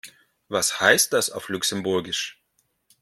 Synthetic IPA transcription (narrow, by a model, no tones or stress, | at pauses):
vashaɪst̚d̥asa̰ʊflʊksɛmbʊɐɡɪʃ